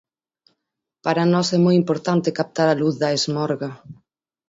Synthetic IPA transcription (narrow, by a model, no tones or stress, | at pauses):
paɾɐnɔsɛmɔjimpoɾt̪ant̪ekap̚t̪aɾaluθðɐezmɔɾɣɐ